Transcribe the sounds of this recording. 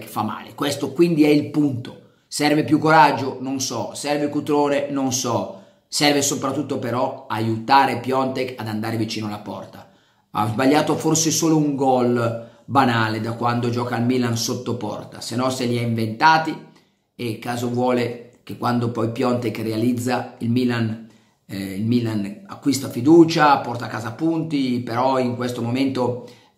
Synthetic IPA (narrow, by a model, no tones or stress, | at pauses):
kfamːa̰ːlḛkwest̪okwind̪iɛilpunt̪o | sɛrvepjukːoɾad͡ʒːononsɔsɛrvekut̪ɾoːnenonsɔ | sɛrvesopɾat̪ːut̪ːopeɾɔajut̪aːɾepjɔnt̪ekad̪and̪aːɾevit͡ʃiːnoalapɔ̰rt̪a | a̰zbaʎːaːt̪oforsesoːlouŋɡɔlbanaːled̪akwand̪od͡ʒɔːkailmilansot̪ːopɔ̰rt̪a̰senɔseliɛiɱvent̪aːt̪i | ekːaːzovwɔːlekekːwand̪opɔjpjɔnt̪ekrealid̪zːailmilan | ilmilana̰kːwist̪afid̪uːt͡ʃapɔrt̪akːaːzapːunt̪ipeɾɔiŋkwest̪omoment̪o